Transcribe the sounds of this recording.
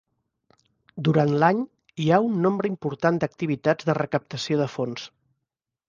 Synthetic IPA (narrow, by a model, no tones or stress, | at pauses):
d̪uɾant̪laɲ | iaunːombɾəimpuɾt̪and̪ək̚t̪iβ̞it̪ad͡zðərəkəp̚t̪əsioðəfons